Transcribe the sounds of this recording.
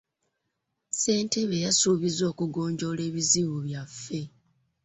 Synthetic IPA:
se̞ːnte̞βejasuβizo̞ːkuɡo̞ːɲɟo̞le̞ːβiziβuβjafːe̞

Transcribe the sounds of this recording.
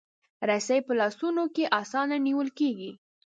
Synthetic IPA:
ɾasajpəlɑsunokeʔɑsɑnaniwəlkeɡi

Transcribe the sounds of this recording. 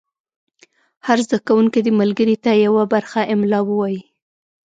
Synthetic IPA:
haɾzd̪akawuŋked̪əmalɡəɾit̪ajawabaɾxaʔɪmlɑwəwɑji

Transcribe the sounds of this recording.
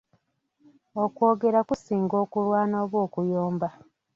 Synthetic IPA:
okwo̞ːɡe̞ɾakusiːŋɡo̞ːkulwaːnoːβwo̞ːkujoːmba

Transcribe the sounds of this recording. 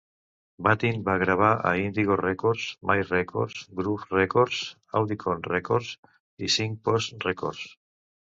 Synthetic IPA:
bat̪inbaɣɾaβ̞aʔa̰ind̪iɣorekoɾsmajrekʰo̰ɾsɡɾufrekoɾs | awðikʰonrekoɾs | isiŋ̚posreko̰ɾs

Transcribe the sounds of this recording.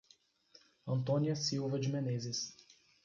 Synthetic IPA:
ɐ̃nt̪õniɐsiwvɐd͡ʒɪmẽnezɪs

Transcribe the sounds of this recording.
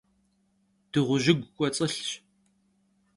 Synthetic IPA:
d̥ɨʁʷʊʒɪɡʷkʷʼɔt͡sʼəɬɕ

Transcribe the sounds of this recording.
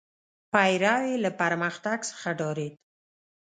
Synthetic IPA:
pajɾɑwelapaɾməxt̪aɡsə̥xaɖɑɾed̪

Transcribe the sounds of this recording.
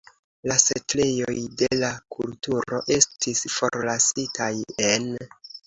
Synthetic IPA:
lase̞tlejo̰jde̞lakultuɾo̞̰ʔe̞stʰisfo̞ɾlasitʰaje̞n

